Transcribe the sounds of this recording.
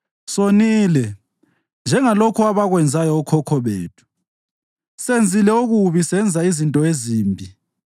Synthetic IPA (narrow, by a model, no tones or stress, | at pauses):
soniːlɛ | nd͡ʒʱɛŋalokʰuaβaɣwɛnd͡zʱajɔːkʰɔkʰɔβḛːtʰu̥ | send͡zʱilɛuɣuβisɛnd͡zʱaizintʼɔeziːmbʱi